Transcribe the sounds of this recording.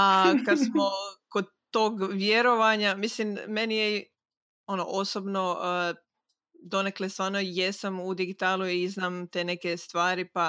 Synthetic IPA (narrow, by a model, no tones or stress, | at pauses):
akad̪smokod̪ | t̪ːoːɡʋje̞ɾo̞ʋaɲamislimme̞nije | o̞noʔosobno̞ə | d̪o̞neklest̪ʋaːɾnojesamud̪iɡit̪aːlˠuiznaːmt̪e̞ːne̞ke̞st̪ʋaːɾipa